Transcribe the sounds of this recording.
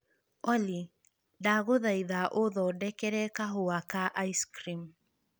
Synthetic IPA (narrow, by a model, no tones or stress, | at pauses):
ɔli | daɣoðaiðaʔoðɔdɛkɛɾɛkaɦowakaʔaiskɾim